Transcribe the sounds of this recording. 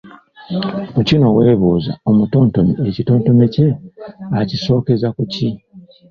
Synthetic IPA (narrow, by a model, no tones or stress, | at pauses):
ocino̞weːβuːza̰o̞muto̞ːnto̞meecito̞ːnto̞mece̞aciso̞ːke̞zakuci